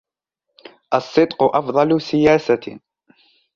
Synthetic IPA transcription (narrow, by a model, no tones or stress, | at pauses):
ʔɑsˤːɨd̪ˤqʊʔɑfd̪ˤɑlʊsɪjaːsa